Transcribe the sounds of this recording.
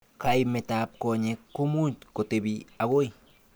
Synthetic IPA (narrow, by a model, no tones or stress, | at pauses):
kajmetap̚koɲekːumutkotebiaɣoj